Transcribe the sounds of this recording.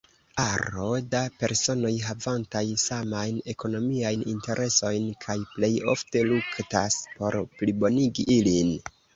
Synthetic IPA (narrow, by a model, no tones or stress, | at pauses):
aɾo̞dape̞ɾso̞no̞jɦavantajsamajne̞ko̞no̞miajninte̞ɾʔe̞so̞jnkʰajple̞jo̞fte̞luktaspo̞ɾplibo̞niɡiʔilin